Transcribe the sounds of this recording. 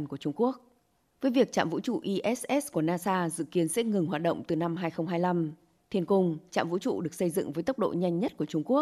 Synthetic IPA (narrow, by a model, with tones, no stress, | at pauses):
nku˧˩ət͡ɕʊ˧ŋ͡mku˦˥ək̚ | vəː˨˦jvi˨˩ək̚t͡ɕa̰ː˧˨mvṵ˧˥t͡ɕṵ˧˨ʔi˧ʔɛ˦˥sʔɛ˦˥sku˧˩ənaː˧saː˧zɨ̰˧˨ki˨˦ənsɛ̰˧˥ŋɨ˨˩ŋɦwaː˨˩t̚ɗə̰˧˨wŋ͡mt̪ɨ˨˩na˧mɦaː˧jxə˧wŋ͡mɦaː˧jla˧m | t̪ʰi˧ənkʊ˧ŋ͡mt͡ɕa̰ː˧˨mvṵ˧˥t͡ɕṵ˧˨ɗɨ˨˩ək̚sə˧jzɨ̰˧˨ŋvəː˨˦jt̪ə˦˥wk͡p̚ɗo̰˧˨ɲa˧jŋ̟ɲə˦˥t̚ku˧˩ət͡ɕʊ˧ŋ͡mku˦˥ək̚